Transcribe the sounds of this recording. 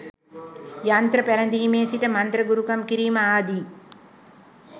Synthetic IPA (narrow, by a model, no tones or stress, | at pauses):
jant̪ɾɐpelɐnd̪imeːsiʈɐmɐnt̪ɾɐɡuɾukɐmkiɾiːmɐaːd̪i